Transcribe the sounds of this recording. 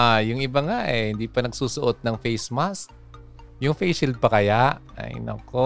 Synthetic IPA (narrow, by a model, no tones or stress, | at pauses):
ʔajʊŋʔɪbaŋaʔɛhɪnd̪iːpɐnɐɡsuːsʊʔot̪̚nɐŋfejsmask̚ | jʊŋfejʃɪl̚pɐkɐjaʔ | ɐ̰j̰nɐ̰ko